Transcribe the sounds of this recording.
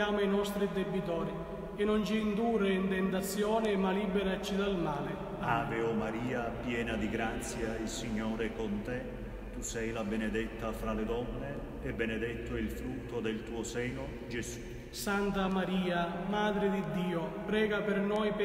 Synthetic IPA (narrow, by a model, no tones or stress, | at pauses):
aːmoinɔst̪ɾid̪ebːit̪ɔːɾi | enːont͡ʃiːnd̪uːreint̪ɛnt̪at̪sːjɔːnɪmalibɛɾat͡ʃːid̪almaːlɪ | aːveomaɾiːapjɛːnad̪iɡɾat̪sːjaisiɲːoːɾekont̪ɛ | t̪usɛjlabɛned̪ɛt̪ːafɾaled̪ɔnːe | ɛbːened̪ɛt̪ːoilfɾut̪ʰːod̪ɛlt̪uːosɛːno | d͡ʒesu̥ | sant̪amaɾiːamaːd̪ɾɪd̪id̪ːiːopɾɛːɡapɪrnɔjp